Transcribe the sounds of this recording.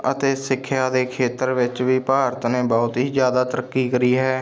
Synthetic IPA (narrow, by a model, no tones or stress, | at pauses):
ət̪eːsɪkʰːjaːd̪eːkʰeːt̪əɾʋɪt͡ʃʋiːpaːɾt̪nẽːbɔːʊt̪ɦiːzjaːd̪aːt̪əɾəkːiːkəɾiːɦɛː